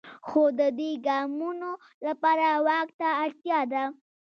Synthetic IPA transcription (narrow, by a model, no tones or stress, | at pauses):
xod̪əd̪weɡɑmuno | lapɑɾawɑkt̪aːɽt̪jɑd̪a